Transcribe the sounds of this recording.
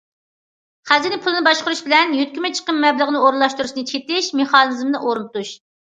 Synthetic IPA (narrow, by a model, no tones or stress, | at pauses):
χæzzɪnɪpʰulˠɨnɨbɑʃqʊɾuʃbɪlɛnjyt̪̚kʲymɛt͡ʃʰə̥qəmmɛbləʁənɨoɾnlˠɑʃt̪uɾuʃnɨt͡ʃʰet̪ɪʃmeχɑnɨzmnɨʔoɾnɨt̪uʃ